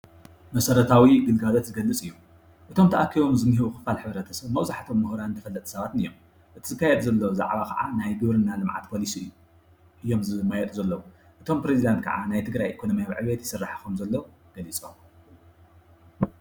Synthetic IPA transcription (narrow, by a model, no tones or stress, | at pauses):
mɐsɐɾɐt̪ʰawiɡɨlɡalot̪zɨɡɐlːɨt͡sʼɨjːum | ʔɨt̪ʰo̞mt̪ʰɐʔakʰːiβo̞mzɨmːɨɦiβuxɨ̥falħɨβɾɐt̪ʰɐsɐβmɐwzaħat̪ʰo̞mːɨhɾannt̪ʰɐfɐlːɐt̪ʼsɐβat̪ɨnɨjːom | ʔɨt̪ʰizɨkːajed̪zɐlːowza̰ʕβakʰɐ̰ʕa̰najɡɨβɾɨnːalɨmʕa̰t̪pʰo̞lisiɨjːu | ʔɨjːo̞mzɨmɐjɛt̪ʼuzɐlːɐwu | ʔɨt̪ʰo̞mpɾezid̪ant̪̚kʰɐ̰ʕanajt̪ʰɨɡɾajʔekʰo̞nomijaβʕɨ̰βet̪jɪ̥sɨrːaħkumzɐlːɐ | ɡ̥ɐlit͡sʼom